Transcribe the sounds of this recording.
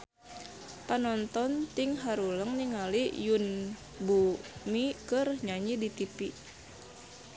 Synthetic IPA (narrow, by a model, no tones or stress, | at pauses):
panɔnt̪ɔnt̪iŋɦaɾuləŋniŋalijun | bumikɨrɲaɲidit̪ipi